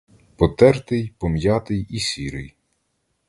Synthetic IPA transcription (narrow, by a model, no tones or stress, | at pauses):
pɔt̪ɛrt̪ɪjpɔmjɑt̪ɪjisʲiɾɪ̰j